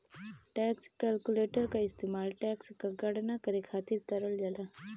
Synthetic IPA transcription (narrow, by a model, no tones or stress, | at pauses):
ʈɛːkskɛːlkuleːʈəɾkaɪst̪eːmaːlʈɛːkskaɡɐɽnakɐɾekʰaːt̪iɾt̪ɐɾəld͡ʒalaː